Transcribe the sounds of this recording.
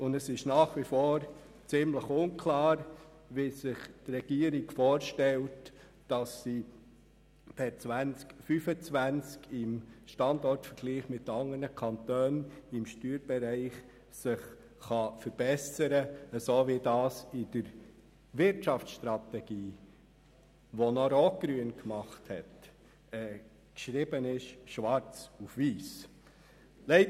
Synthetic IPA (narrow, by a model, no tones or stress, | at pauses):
ʊndəsɪʃnɑːχʋifoːɾ | t͡sɪmləχʊnkʰlɑːɾ | ʋɪsɪχtrɛɡ̥iːəɾiɡfoːɾʃtɛlt | d̥ɑsːi | pɛt͡sʋænt͡skfyfət͡sʋænt͡skɪmʃtɑndɔɾtfəɾɡ̥liːχmɪtɑŋənəkʰɑntøːnɪmʃtyːɾbɛɾæɪχ | sɪχ | χɑfəɾb̥ɛsəɾəəsoːʋidɑːsid̥əɾ | ʋɪɾtʃɑft͡sʃt̪ɾɑt̪ɛɡ̥iː | ʋonɔɾɔkɾyənkmɑχthɛt | ɛ | kʃɾɪbənɪʃʃʋɑɾt͡sufʋiːs | lɛɪ